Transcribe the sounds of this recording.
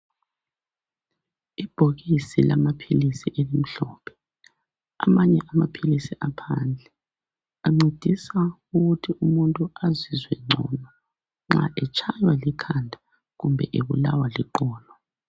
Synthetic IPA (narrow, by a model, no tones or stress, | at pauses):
ib̥ʱoɣisilamapʰilisiʔelim̩ɬɔːpʰɛ̥ | a̰maɲɛʔamapʰilisiʔapʰand͡ɮʱɛ | aŋ͡ǀʱed̥ʱisa | uɣutʰiʔumuntʼuazizwɛŋ͡ǀʱɔ̰ːnɔ | ŋ͡ǁa̰ʔɛt͡ʃʰajwalikʰandʱa | ɣumbʱɛʔeβṵlawaliǃɔːlɔ